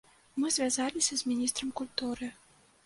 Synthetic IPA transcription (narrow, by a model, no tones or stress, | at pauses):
mɨzʲvʲazalʲisʲɐzʲmʲinʲist̪ɾɐmkulʲt̪uɾɨ